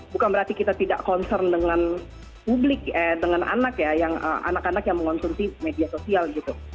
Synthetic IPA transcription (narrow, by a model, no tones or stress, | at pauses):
bukanbəɾart̪ikit̪at̪ida̰ʔkɔnsɛrndəŋan | publɪkɛdəŋanʔa̰nakjajaŋə̰ːmʔa̰nakanakjaŋməŋɔnsunsimediasosialɡit̪u